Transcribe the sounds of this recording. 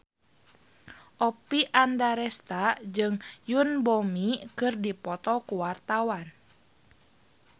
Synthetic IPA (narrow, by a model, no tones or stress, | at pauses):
ʔɔpiʔandaɾɛst̪ad͡ʒɨŋjunbɔmikɨrdipɔt̪ɔkuwart̪awan